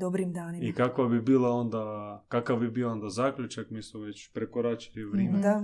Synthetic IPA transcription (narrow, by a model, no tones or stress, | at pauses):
d̪obɾimd̪aːnimikakʋabibiːlˠao̞nd̪akakavbibiːoond̪azaːkʎut͡ʃakmiːsmoʋet͡ɕpɾekoɾat͡ʃi̥liʋɾeːmea